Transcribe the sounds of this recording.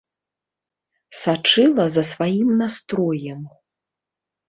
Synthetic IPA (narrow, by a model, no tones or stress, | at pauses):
sat͡ʂɨlˠɐzɐsvajimnast̪ɾɔjɛm